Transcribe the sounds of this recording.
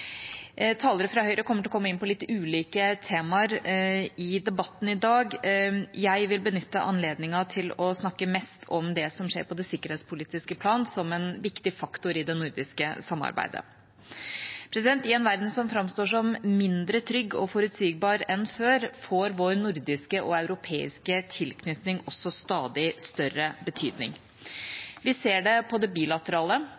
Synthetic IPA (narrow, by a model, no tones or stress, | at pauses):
t̪ʰɑːləɾəfɾɑhœʏɾəkʰɔmːəʈ̬ʰɪlɔkʰɔmːəɪnpʰɔlɪt̪ːʉːliːkət̪ʰeːmɑɾɪd̪ɛbɑt̪ːn̩ɪd̪ɑːɡjæɪʋɪlbənʏt̪ːəʔɑ̰nleːd̪nɪŋɑt̪ʰɪlɔsnɑkːəmɛst̪ʰɔmd̪ɛsɔmʂḛːɾpʰɔd̪ɛsɪkːəɾheːt̪spʰʊliːt̪ɪskəpʰlɑːnsɔmɛnʋɪkt̪ɪfɑkt̪ʊɾɪd̪ɛnʊɾd̪ɪskəsɑmːɑ̰ɾbæ̰ɪd̪ə̰ | pʰɾɛsɪd̪ɛnt̪ɪɛnʋæɾd̪n̩sɔmfɾɑmst̪oːʂɔmmɪnd̪ɾət̪ʰɾʏɡːɔ̰fɔɾʉt̪syːɡ̚bɑːɾɛnføːɾfoːɾʋoːɾnʊɾd̪ɪskəʔɔɑʉɾʊpʰeːɪ̰skət̪ʰɪlkʰnʏt̪nɪŋɔsɔst̪ɑːd̪ɪst̪œɾəbət̪ʰyːd̪nɪ̰ŋ | ʋɪseːɖɛpʰɔd̪ɛbiːlɑt̪əɾɑːlə